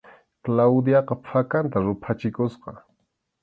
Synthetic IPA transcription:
klawd̪jɑqɑpʰakant̪aɾʊpʰat͡ʃɪkʊsqɑ̰

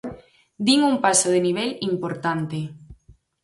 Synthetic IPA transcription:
d̪iŋuŋpasoð̞eniβ̞ɛlimpoɾt̪ant̪e

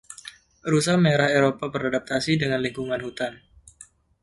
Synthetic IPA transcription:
ɾusameɾaheɾopabəɾadap̚t̪asidəŋanliŋkuŋanhut̪an

